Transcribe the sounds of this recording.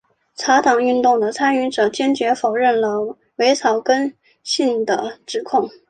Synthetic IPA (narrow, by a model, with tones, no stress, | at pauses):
t͡sʰa˧˥t̪ʰɑ˨˩ŋy˥˧nt̪ʊ˥˩ŋd̪ə˩t͡sʰa˥ny˥˩ʈ͡ʂɤ˨˩t͡ɕjɛ˥nt͡ɕɥɛ˧˥fo˨˩ʊɻə˥˩nlə˩ | we˧˥ɪt͡sʰɑ˨˥˩ʊkə˥n | ɕi˥˩ŋd̪ə˩ʈ͡ʂɻ̩˨˩kʰʊ˥˩ŋ